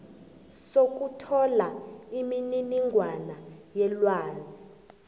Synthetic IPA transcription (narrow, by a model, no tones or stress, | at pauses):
sok̬ʼutʰɔlaimininiŋɡʱwanajɛlwaːzi